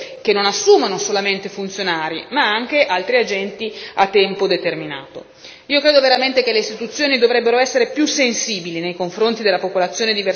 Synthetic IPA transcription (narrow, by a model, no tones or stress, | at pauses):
k̟enːonasːuːmanosolament̪efunt̪sjonaːɾḭmaaŋk̟eʔalt̪ɾiad͡ʒɛnt̪iat̪ːɛmpod̪et̪ermina̰ːt̪o̰ | iːokɾeːd̪oveɾament̪ekelːeist̪it̪ut̪sːjoːnid̪ovɾɛbːeɾoɛsːeɾepjusːensiːbilinejkoɱfɾont̪id̪elːapopolat̪sːjoːned̪ive